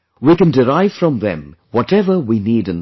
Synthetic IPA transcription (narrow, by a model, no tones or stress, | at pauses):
wikɨ̃ndɪɾaɪv̥fɹʌ̃mðɛ̰̃mwɔtɛvə˞winiɾɨ̃n